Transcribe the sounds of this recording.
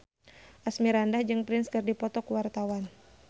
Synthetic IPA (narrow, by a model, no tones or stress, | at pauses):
ʔasmiɾandahd͡ʒɨŋpɾɪnskɨrdipɔt̪ɔkuwart̪awan